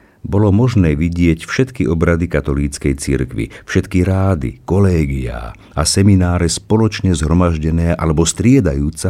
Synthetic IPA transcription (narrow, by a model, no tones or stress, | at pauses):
bɔlɔmɔʒnɛːʋiɟɪɛcfʃɛt̪kiʔɔbɾad̪ikat̪ɔliːt͡skɛjt͡sḭɾkʋḭfʃɛt̪kiɾaːd̪ḭkɔlɛːɡia̰ː | ʔasɛminaːɾɛspɔlɔt͡ʃɲɛzɦɾɔmaʒɟɛnɛːʔalɛbɔst̪ɾɪɛd̪ajuːt͡sa